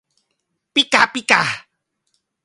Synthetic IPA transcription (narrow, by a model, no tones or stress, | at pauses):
pikapika